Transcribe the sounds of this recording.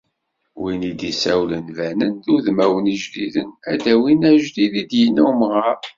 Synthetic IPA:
winid̪isæwlənvænənðuðmæwəniʒliðənæd̪æwinæʒliðid̪jənːumʁəɾ

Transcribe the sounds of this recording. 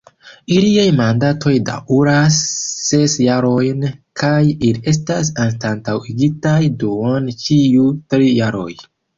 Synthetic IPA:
iliajmandatʰo̞jda̰ʔuɾasːe̞sjaɾo̞jnkʰajilie̞s̬tas̬antantawiɡitajduant͡ʃiutɾijaɾo̞̰j

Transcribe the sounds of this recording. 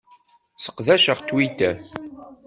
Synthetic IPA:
sə̥qðæʃəʁt̪wit̪æ

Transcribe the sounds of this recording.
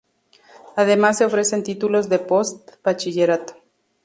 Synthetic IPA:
aðe̞mas̬ːe̞o̞fɾe̞se̞nt̪it̪ulo̞zðe̞po̞st̪b̥at͡ʃiʝeɾat̪o̥

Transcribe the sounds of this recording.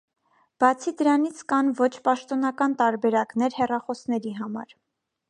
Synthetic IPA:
b̥ɑt͡sʰid̪əɾɑnit͡sʰkɑnvɔt͡ʃʰpɑʃt̪ɔnɑkɑnt̪ɑɾbɛɾɑknɛɾhɛrɑχɔsnɛɾiɦɑmɑ̰ɾ

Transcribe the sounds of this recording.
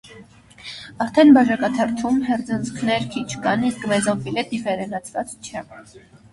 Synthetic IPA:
ɑɾt̪ʰɛnbɑʒɑkɑt̪ʰɑrt̪ʰumɦɛrd͡zənt͡skʰnɛɾkʰit͡ʃʰkɑniskmɛzɑɱfilɛd̪ivɛɾɛnɑt͡sʰvɑt͡st͡ʃʰɛ

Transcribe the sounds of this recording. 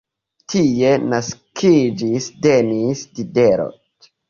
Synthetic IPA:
tʰie̞naskʰid͡ʒisdenisdideɾo̰t

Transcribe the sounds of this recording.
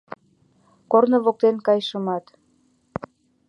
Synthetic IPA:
kornoβok̚t̪enkɑjʃəmɑt̪

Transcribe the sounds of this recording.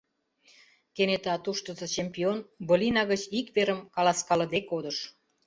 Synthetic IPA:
kenet̪ɑt̪uʃt̪əzə̆t͡ɕempionbolʲinɑɣət͡ɕikβeɾəmkɑlɑskɑlə̆d̪ekod̪ə̆ʃ

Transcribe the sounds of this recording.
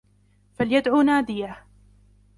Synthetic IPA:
faljad̪ʕuːnaːd̪ɪja

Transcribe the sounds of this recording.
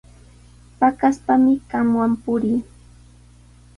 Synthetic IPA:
pakaspamɪɢamwampʊɾiː

